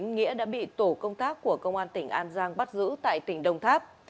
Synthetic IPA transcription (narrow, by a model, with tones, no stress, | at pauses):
ŋŋḭ˧˥əɗa̰ː˧˥ɓḭ˧˨t̪o˧˩kə˧wŋ͡mt̪aː˦˥kːu˧˩əkə˧wŋ͡mʔaː˧nt̪ï˧˩ŋ̟ʔaː˧nzaː˧ŋɓa˦˥t̚zɨ̰˧˥t̪a̰ː˧˨jt̪ï˧˩ŋ̟ɗə˧wŋ͡mt̪ʰaː˦˥p̚